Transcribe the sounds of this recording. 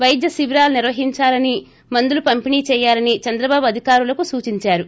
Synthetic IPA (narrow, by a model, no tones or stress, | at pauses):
ʋɐjid̪jɐsiʋɾaːluniɾʋɐɦiɲt͡ʃaːlɐni | mɐnd̪ulupɐmpiniːt͡ʃɛːjːaːlɐnit͡ʃɐnd̪ɾɐbaːbuɐd̪ʱikaːɾulɐkusuːt͡ʃiɲt͡ʃaːɾu